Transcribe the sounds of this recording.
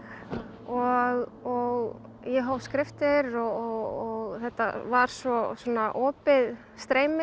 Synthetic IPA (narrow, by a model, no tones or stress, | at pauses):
ɔɣɔɣ | jɛɦawskɾɪft̪ɪɾɔɔɣθɛht̪ːa̰vaɾ̥svɔsɔːnaʔɔːpɪð | st̪ɾeːjmɪ